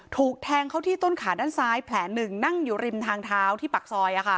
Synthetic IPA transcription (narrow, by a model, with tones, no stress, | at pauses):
t̪ʰuː˨˩k̚t̪ʰɛː˧ŋkʰa˦˥˩wt̪ʰiː˥t̪o˥˩nkʰaː˩˦daː˥˩nsaː˦˥jpʰlɛː˩˦nɯ˨˩ŋna˥˩ŋjuː˨˩ɾi˧mt̪ʰaː˧ŋt̪ʰaː˦˥wt̪ʰiː˥˩pa˨˩k̚sɔː˧jʔa˨˩kʰa˥˩